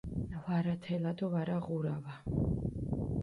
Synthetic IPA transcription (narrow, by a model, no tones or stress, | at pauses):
vaɾat̪ʰɛlad̪ɔvaɾaʁuɾava